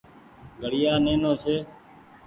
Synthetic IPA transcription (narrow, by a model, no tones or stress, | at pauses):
ɡʱəɽɪjaːnẽːnõːt͡ʃʰeː